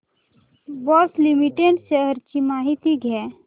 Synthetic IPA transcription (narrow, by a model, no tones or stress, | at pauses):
bɔːslimiʈeɖʃəɦəɾt͡ʃimaːɦit̪iɡʱɛː